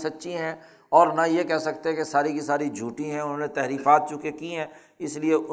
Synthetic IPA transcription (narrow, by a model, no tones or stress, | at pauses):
sɐtːʃʰiɦɛ̃ | ɔːɾnajekɛɦsɐkt̪eɦɛkesaːɾikisaːɾid͡ʒʱuːʈiɦɛ̃ʊnɦõːnet̪ɛɦɾiːfaːt̪̚t͡ʃʊkekiɦɛ̃ː | ɪslieʊ